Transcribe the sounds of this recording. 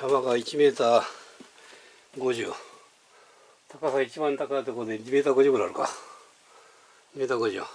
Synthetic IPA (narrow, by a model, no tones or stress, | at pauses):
jamaɡait͡ɕime̞ːt̪a | ɡo̞ʑɨ̰ | t̪ʰakasait͡ɕibãnt̪akait̪okoɾod̪eime̞ːt̪aɡo̞d͡ʑɨːkɯɾaɾɯka | me̞ːt̪aɡo̞ʑɨ̰